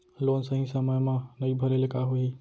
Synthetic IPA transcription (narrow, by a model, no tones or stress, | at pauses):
loːnsɐɦĩsɐməjmãnɐibʱɐɾelekaɦoɦiː